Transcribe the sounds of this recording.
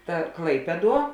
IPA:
ˈtɐ ˈklˠɐɪpʲiɛˌduɔ

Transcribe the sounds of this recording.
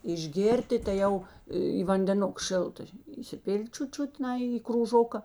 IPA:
ɪʒʲˈɡʲeːrʲtʲɪ tɐɪ ˈjɛʊ iː ʋɐnʲdʲɛˈnʊk ˈʃʲɪlˠtɐ iːsʲɪˈpʲɪlʲtʲ ˈt͡ʃʲʊt ˈt͡ʃʲʊt ˈnɐɪ ɪ kruːˈʒoːkɐ

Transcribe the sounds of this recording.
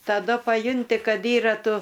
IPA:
tɐˈdʊ pɐˈjʊnʲtʲɪ ˈkɐt ˈiːrɐ ˈtʊ

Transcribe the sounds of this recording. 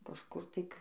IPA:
kɐʃˈkʊr ˈtɐɪ k

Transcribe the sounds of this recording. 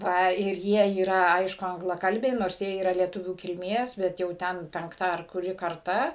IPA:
ˈʋɐ ɪr ˈjiɛ iːˈrɐ ˈɐɪʃkʊ ɐŋɡlˠɐˈkɐlʲbʲɛɪ ˈnoːrs ˈjiɛ iːˈrɐ lʲiɛˈtʊʋʲuː kʲɪlʲˈmʲeːs ˈbʲɛt jɛʊ ˈtʲɛn pʲɛŋkˈtɑː ɐr kʊˈrʲɪ kɐrˈtɐ

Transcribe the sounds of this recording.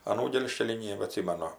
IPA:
ɐˈnuː ˈɡʲeːlʲʃʲkʲɛlʲiː ˌnʲeːbɐˈtʲsʲɪmɐnʊ

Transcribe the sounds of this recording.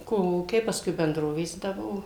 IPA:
ˈkoːlˠuːkʲɛɪ pɐˈskʊɪ bʲɛnˈdroːʋʲeːs ˈdɐ ˈbuɔ

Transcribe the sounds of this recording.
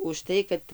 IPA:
ʊʃˈtɐɪ kɐt

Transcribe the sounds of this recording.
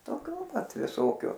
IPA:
toːˈkʲʊ pɐt ʋʲɪˈsoːkʲʊ

